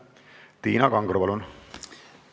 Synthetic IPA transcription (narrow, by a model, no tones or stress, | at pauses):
t̪iːnɑkɑŋɡropɑlun